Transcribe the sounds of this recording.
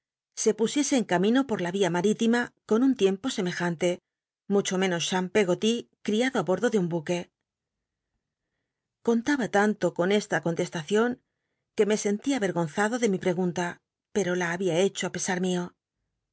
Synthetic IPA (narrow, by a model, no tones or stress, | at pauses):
se̞pusje̞se̞ːŋkamĩno̞po̞ɾlaβiamaɾit̪imako̞nunt̪je̞mpo̞se̞me̞xant̪e̞ | mut͡ʃo̞mẽ̞no̞sʃampe̞ɣ̞o̞t̪ikɾiaðoaβo̞ɾðo̞ðeumbuke̞ | ko̞nt̪aβat̪ant̪o̞ko̞ne̞st̪ako̞nt̪e̞st̪aθjo̞ŋ | ke̞me̞se̞nt̪iaβe̞ɾɣo̞nθaðo̞ðe̞mipɾe̞ɣunt̪a | pe̞ɾo̞laːβiae̞t͡ʃoape̞saɾmio̞